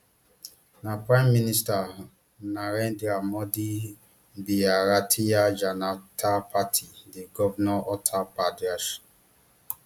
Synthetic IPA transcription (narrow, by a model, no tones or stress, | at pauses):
napɾãjmːinista | naɾɛ̃ndɾamɔdi | biaɾatʰijad͡ʒanatʰapʰatʰidiɡɔvanɔɔtʰapadɾaʃ